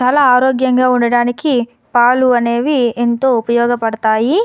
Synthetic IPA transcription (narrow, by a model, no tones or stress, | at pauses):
t͡ʃaːlaːaːɾoːɡjɐŋɡaːuɳɖɐɽaːniki | paːluɐne̞ːʋient̪o̞ːupɐjɔːɡɐpɐɽɐt̪aːji